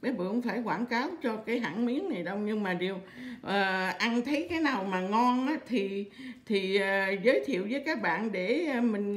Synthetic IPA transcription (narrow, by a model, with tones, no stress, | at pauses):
ɓə˨˦jɓə̰˧˨˧ŋ͡mfaː˧˩jkwaː˧˩nkaː˨˦wt͡ɕɔ˧kaː˨˦jɦa̰ː˧˩˨nmi˨˦ənna˨˩jɗə˧wɲɨ˧ŋmaː˨˩ɗi˨˩əwʔəː˨˩ʔa˧nt̪ʰə˨˦jkaː˨˦jnaː˨˩wmaː˨˩ŋɔ˧nʔaː˨˦˥t̪ʰi˨˩t̪ʰi˨˩əː˨˩zəː˨˦jt̪ʰḭ˧˨əwzəː˨˦jkaː˦˥k̚ɓa̰ː˧˨nɗe˧˩˨mï˨˩ŋ̟